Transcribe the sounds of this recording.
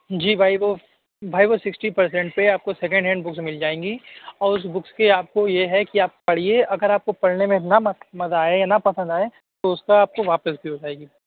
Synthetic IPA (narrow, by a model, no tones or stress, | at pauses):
d͡ʒiːbʱaːiʋo | bʱaːiʋosɪksʈipɐɾs̬ɛ̃ɳʈpeaːp̚kosɛkə̃ɳɖɦɛ̃ːɳɖbʊksmɪld͡ʒaːẽːŋɡiɔːɾʊs̬bʊkskeaːp̚kojeɦɛkiaːp̚pɐɽ̤ieɐɡəɾaːp̚kopɐɽnemẽnamɐmɐzaːejanɐpɐsə̃nd̪aːe | t̪oʊskaaːp̚koʋaːpəsbʱiɦod͡ʒaːeːɡiː